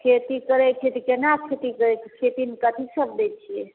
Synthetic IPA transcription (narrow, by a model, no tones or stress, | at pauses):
kʰet̪ikəɾɛkʰet̪ikenakʰet̪ikəɾɛkʰet̪inikət̪ʰisəbd̪et͡ʃʰije